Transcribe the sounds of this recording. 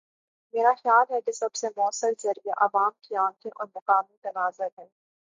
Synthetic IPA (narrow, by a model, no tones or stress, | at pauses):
meːɾaxjaːlɦɛkɪsɐbsemɔːsəlzɐɾijeʔɐʋaːmkiãːt̪ʰẽʔɔːɾmɐqaːmit̪ɐnaːzaɛ̃ː